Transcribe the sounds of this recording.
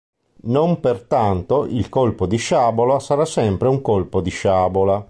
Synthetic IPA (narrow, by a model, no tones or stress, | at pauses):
nompert̪ant̪oʔilkolpod̪iʃaːbolasaɾasːɛmpɾeuŋkolpod̪iʃaːbola